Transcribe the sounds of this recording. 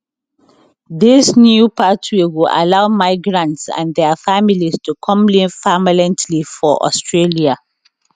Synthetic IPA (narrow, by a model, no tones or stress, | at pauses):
ðisnjupʰatʰiwiʔa̰laʊmaɪɡɹãntsã̰nðɛfamilistʰukʰɔ̃mlĩnfamlɛ̃ntʰlifɔʔɔ̰stʰɹelia